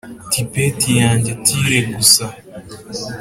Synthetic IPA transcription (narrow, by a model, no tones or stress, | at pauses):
tʰipetijaːɲɟetʰiɾeɡusa